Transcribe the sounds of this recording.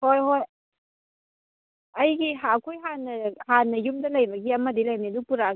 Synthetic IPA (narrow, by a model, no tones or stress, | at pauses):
hojɦoj | ɐjɡiɦakʰujɦanːɐhanːɐjumdɐlɐjbɐɡiɐmɐdilɐjnidupuɾa